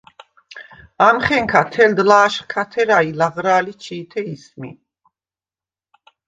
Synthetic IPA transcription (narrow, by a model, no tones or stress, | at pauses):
amχɛŋkʰat̪ʰɛld̪laːʃχkʰat̪ʰɛɾailaʁɾaːlit͡ʃʰiːt̪ʰɛismḭ